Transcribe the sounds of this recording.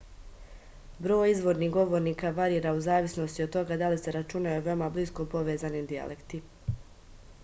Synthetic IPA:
bɾo̞ːjizʋo̞ɾniɦɡo̞ʋo̞ɾniːkaʋaɾiːɾauzaːʋisno̞st̪iot̪o̞ɡad̪alise̞ɾat͡ʃunauʋe̞omabliskopo̞ʋezanimd̪ia̰lʔe̞kt̪i

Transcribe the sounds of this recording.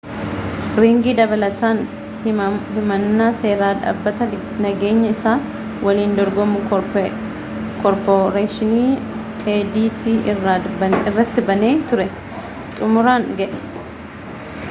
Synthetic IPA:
ɾiːŋɡid̪ɐbɐlɐt̪aːn | hɪmɐnːaːse̞ːɾaːᶑa̰ːbːɐt̪ɐ | nɐɡeːɲːɐɪsaː | wʔɐliːnd̪ɔɾɡɔmʊ | kɔɾpɔɾeːʃɪniːtʼeːd̪iːt̪ʰi | ɪrːɐt̪ːɪbɐne̞ːt̪ʊɾɛ | t̪ʼʊmʊɾaːŋɡɐʔɛ̥

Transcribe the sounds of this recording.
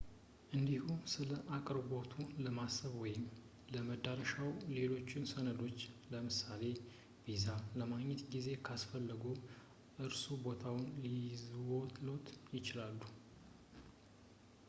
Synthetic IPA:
ʔɨnd̪ihusɨləʔakʼɾbo̞t̪ʰuləmasəβwɔjɪm | ləməd̪aɾəʃawle̞lo̞t͡ʃːɪnsənəd̪o̞t͡ʃːləmɨsale̞ | vizaləmaɡɲːɛt̪ɡize̞kʰasfəlːəɡu | ʔɨɾsubo̞t̪ʰawʊnlizwot̪ʰɨlo̞t̪jɪt͡ʃɪlalːu

